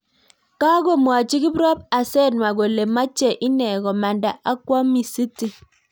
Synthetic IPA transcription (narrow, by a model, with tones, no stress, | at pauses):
ka˦ɡo˦mwa˨t͡ʃi˦ki˦bɾɔ˦b̚a˨sɛ˦˨nwa˨ɡo˨le˨ma˦t͡ʃe˦˨ʔi˦nɛ˨ɡɔ˨ma˨nda˨ʔa˦kwɔ˦mi˨si˦ti˨